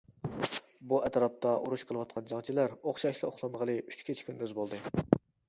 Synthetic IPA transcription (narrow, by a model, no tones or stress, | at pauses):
buɛt̪ɾɑp̚t̪ʰɑʔuɾuʃqʰəlˠəwɑt̪̚qʰɑnd͡ʒɑŋt͡ʃʰilæɾoχʃɑʃlˠɨoχlˠɑmʁəlˠɨyt͡ʃkʲʰit͡ʃʰi̥kʲʰynd̪øzbolˠd̪ɨ